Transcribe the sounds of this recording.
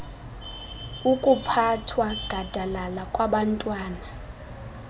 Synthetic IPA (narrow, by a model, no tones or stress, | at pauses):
ukʼupʰatʰwaɡ̥ʱad̥ʱalalakʼwaɓantʼwaːna